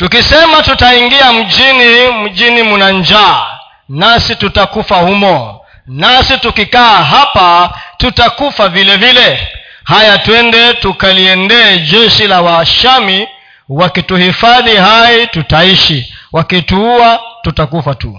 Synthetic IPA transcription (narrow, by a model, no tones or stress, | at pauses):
tukisɛmatutaiŋɡiam̩ʄinim̩d͡ʒinimunaɲd͡ʒaː | nasitutakufahumɔ | nasitukikaːɦapatutakufavilɛvilɛhajatwɛndɛtukaliɛndɛːd͡ʒɛʃilawaʃami | wakituhifaðihaitutaiʃiwakituuatutakufatu